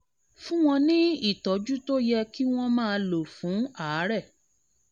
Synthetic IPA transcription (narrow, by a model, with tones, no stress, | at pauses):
fũ˦w̃ɔ̃˧nĩ˦i˦˨tɔ˨˦d͡ʒu˦to˦jɛ˧ki˦w̃ɔ̃˦mãː˦˧lo˨fũ˨˦aː˨˦ɾɛ˦˨